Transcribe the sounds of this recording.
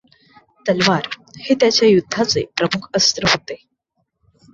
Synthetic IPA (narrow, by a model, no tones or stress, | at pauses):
t̪əlʋaɾheːt̪jat͡ɕjajud̪ʱːat͡sepɾəmukʰəst̪ɾəɦot̪e